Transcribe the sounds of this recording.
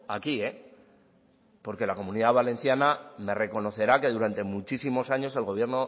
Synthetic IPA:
akie̞ | po̞ɾke̞lako̞muniðaβale̞nθjaname̞re̞ko̞no̞θe̞ɾake̞ð̞uɾant̪e̞mut͡ʃisimo̞saɲo̞se̞lɣ̞o̞βje̞ɾno̞

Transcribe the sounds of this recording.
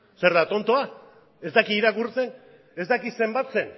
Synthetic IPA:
se̞ɾðat̪o̞nt̪oa | e̞zd̪akiːɾakuɾt͡se̞n | e̞zd̪akise̞mbat̪se̞n

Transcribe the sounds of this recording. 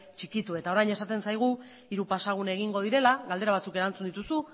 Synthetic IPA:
t͡ʃikit̪ue̞t̪ao̞ɾajne̞sat̪e̞nsajɣ̞u | iɾupasaɣ̞une̞ɣ̞iŋɡo̞ðiɾe̞laɣald̪e̞ɾaβ̞at͡suke̞ɾant͡sund̪it̪usu

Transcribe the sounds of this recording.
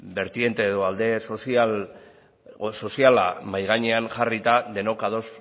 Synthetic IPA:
be̞ɾt̪je̞nt̪e̞ːðo̞ald̪e̞sosal | so̞siala̰majɣ̞aɲeanʝarit̪aðe̞no̞kaðo̞s

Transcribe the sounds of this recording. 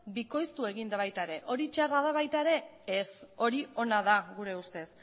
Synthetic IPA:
biko̞jst̪ue̞ɣind̪aβajt̪aeɾe̞ʔo̞ɾit͡ʃarað̞aβajt̪aeɾe̞eso̞ɾio̞naðaɣuɾe̞ust̪e̞s

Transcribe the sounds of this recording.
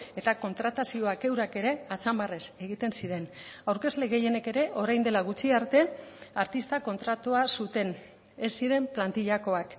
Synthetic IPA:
e̞t̪ako̞nt̪ɾat̪asio̞ake̞wɾake̞ɾe̞at͡sambare̞se̞ɣ̞it̪e̞nsiɾe̞nawɾke̞zle̞ɣe̞je̞ne̞ke̞ɾe̞ʔo̞ɾajnd̪e̞laɣ̞ut͡ʃiaɾt̪e̞aɾt̪ist̪ako̞nt̪ɾat̪uasut̪e̞n | e̞sːiɾe̞mplant̪iʎako̞ak

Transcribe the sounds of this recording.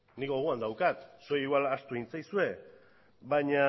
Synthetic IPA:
niko̞ɣ̞uand̪awkat̪sojiɣwalast̪uint͡sajsue̞ | βaɲa

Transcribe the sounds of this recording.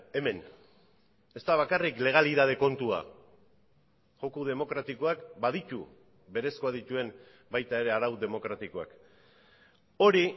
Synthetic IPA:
e̞me̞n | e̞st̪aβ̞akarikle̞ɣ̞aliðaðe̞ko̞nt̪ua̰ | ʝo̞kuð̞e̞mo̞kɾat̪iko̞akbaðit̪u | be̞ɾe̞sko̞að̞it̪ue̞n | bajt̪ae̞ɾe̞aɾawd̪e̞mo̞kɾat̪iko̞a̰k | o̞ɾi

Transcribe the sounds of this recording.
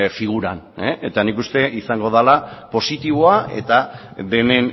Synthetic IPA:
fiɣ̞uɾan | eet̪anikust̪e̞ʔisaŋɡo̞ð̞alapo̞sit̪iβ̞o̞ae̞̰t̪a | be̞ne̞n

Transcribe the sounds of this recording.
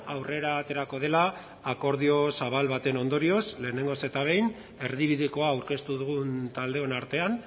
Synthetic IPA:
awre̞ɾat̪e̞ɾako̞ð̞e̞laː | ko̞ɾðio̞saβ̞alβat̪e̞no̞nd̪o̞ɾio̞sle̞ːne̞ŋɡo̞se̞t̪aβ̞e̞jn | e̞ɾðiβiðiko̞aːwɾke̞st̪uðuɣunt̪ald̪e̞o̞naɾt̪e̞an

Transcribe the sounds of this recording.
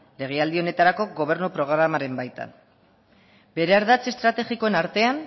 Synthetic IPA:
le̞ɣ̞e̞ald̪io̞ne̞t̪aɾako̞ɡo̞β̞e̞ɾnupɾo̞ɣ̞ɾamaɾe̞mbajt̪a̰n | be̞ɾe̞aɾðat͡se̞st̪ɾat̪e̞ɣiko̞enaɾt̪e̞an

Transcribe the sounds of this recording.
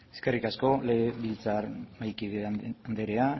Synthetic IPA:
eske̞rikasko̞leɣeβilt͡sarmajkiðeand̪e̞ɾea

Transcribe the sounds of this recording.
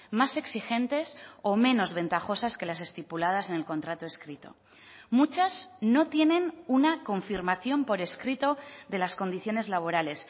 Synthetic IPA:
mase̞ksixẽ̞nt̪e̞somẽ̞no̞zβẽ̞nt̪axo̞saske̞lase̞st̪ipulað̞ase̞ne̞lkõ̞nt̪ɾat̪oe̞skɾit̪o̞̰ | mut͡ʃazno̞t̪je̞nẽ̞nunako̞ɱfiɾmaθjo̞mpo̞ɾe̞skɾit̪o̞ðe̞lasko̞nd̪iθjo̞ne̞zlaβ̞o̞ɾale̞s

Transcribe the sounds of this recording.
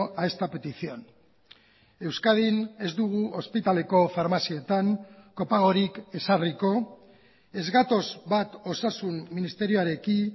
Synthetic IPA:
aest̪ape̞t̪isio̞n | e̞wskað̞ine̞zd̪uɣ̞uo̞spit̪ale̞ko̞faɾmasiet̪aŋko̞paɣ̞o̞ɾike̞sariko̞ | e̞zɣat̪o̞zβat̪o̞sasumːinist̪e̞ɾioaɾe̞ki

